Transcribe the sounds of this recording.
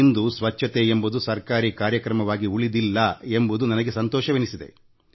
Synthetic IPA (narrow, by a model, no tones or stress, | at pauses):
nd̪usʋɐt͡ʃʰːɐt̪eembud̪usɐɾkaːɾikaːɾjɐkɾɐmɐʋaːɡiuɭid̪ilːɐe̞mbud̪unɐnɐɡesɐnt̪ɔːʃɐʋenisid̪e̞̰